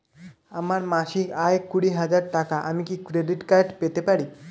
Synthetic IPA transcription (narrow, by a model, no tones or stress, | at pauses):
amaɾmaʃikaekuɽiɦad͡ʑaɾʈakaʔamikikɾeɖiʈkaɾʈpet̪epaɾi